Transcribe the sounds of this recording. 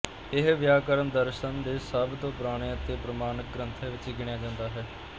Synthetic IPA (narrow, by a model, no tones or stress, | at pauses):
ɪɦʋjaːkəɾəɳd̪əɾʃənd̪eːsəbt̪õːpɾaːɽ̃eːət̪eːpɾəmaːnək̚ɡɾənt̪ʰeːʋɪt͡ʃɡɪɳjaːd͡ʒãːnd̪aːɦɛː